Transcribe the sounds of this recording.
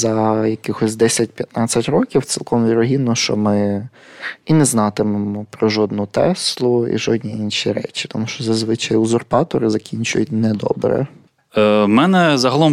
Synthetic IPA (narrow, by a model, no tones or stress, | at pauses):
zɐjɐkɪxɔsʲd̪ɛsʲɐt̚ʲpʲjɐt̪nɑt͡sʲɐtʲɾɔkʲiwt̪sʲilˠkɔmʋʲiɾɔɦʲinːɔʃt͡ʃɔmɪ | inɛznɑt̪ɪmemɔpɾɔʒɔd̪nut̪ɛslˠʊḭʒɔdʲnʲiinʃiɾɛ̰t͡ʃi̥t̪ɔmuʃt͡ʃɔzɐzʋɪt͡ʃɑjʊzɔrpɑt̪ɔɾɪzɐkʲinʲt͡ʃʊ̰jʊt̚ʲnɛd̪ɔ̰bɾɛ̰ | mɛnɛzɐɦɐlˠɔm